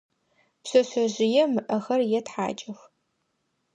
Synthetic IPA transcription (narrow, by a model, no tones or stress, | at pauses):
psɐɕɐʑɪjɛmɨʔɐxɐrjɛtħa̰ːt͡ʃʼɐx